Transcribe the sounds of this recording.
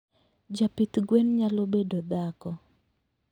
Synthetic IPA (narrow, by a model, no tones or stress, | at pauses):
d͡ʒapit̪ɡwɛnɲalobedod̪akɔ